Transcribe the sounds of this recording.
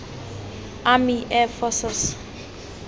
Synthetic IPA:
amiʔɛfɔsɛs

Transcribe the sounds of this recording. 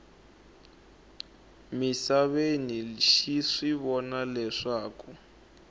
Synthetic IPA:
misaβeniʃiʂiβɔnalɛʂaːku

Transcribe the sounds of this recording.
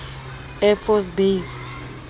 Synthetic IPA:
ɛfɔsbes

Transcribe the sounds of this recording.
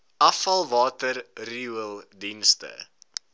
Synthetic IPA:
ʔɐfɐlˠvɑːtərriuəlˠdinstə̰

